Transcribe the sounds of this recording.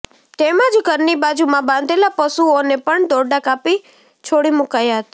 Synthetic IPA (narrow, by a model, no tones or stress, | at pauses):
t̪emãd͡ʒɡəɾnibad͡ʒumãbãnd̪ʱelapəsuonepəɳd̪ɔɾɖakapi | t͡ʃʰoɽimukajaɦət̪ḁ